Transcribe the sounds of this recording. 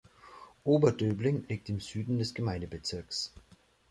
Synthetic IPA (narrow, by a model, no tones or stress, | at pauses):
ʔoːbɐdøːblɪŋliːk̚tɪmz̥yːdn̩dɛsɡ̥əmaɪndəbət͡sɪɐks